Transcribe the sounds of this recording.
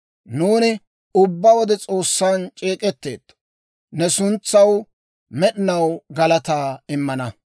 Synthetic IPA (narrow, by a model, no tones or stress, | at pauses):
nuːnɪ | ʊbːɐwɔd̪ɛt͡sʼo̞ːsːaːnt͡ʃʼeːkʼɛt̪ːḛːt̪ː | nɛsʊnt͡sːɐw | mɛɗɪnɐwɡɐlɐt̪aːɪmːɐnɐ